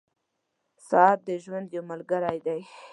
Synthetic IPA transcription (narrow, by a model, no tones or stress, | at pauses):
sɑːɾ̚d̪əʒwand̪jomalɡaɾajd̪aj